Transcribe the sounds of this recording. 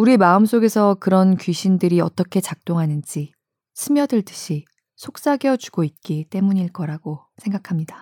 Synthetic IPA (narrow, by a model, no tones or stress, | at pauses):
uɾimaɯms͈oɡe̞sʰʌkɯɾʌnkɥiɕʰindɯɾiʌt͈ʌkʰe̞t͡ɕak̚t͈oŋɦanɯnd͡ʑi | sʰɯmjʌdɯɭt͈ɯ̥ɕʰi | sʰok̚s͈aɡjʌt͡ɕu̥ɡ̥oit̚k͈it͈e̞muɲiɭk͈ʌɾaɡo | sʰe̞ŋɡakʰamɲida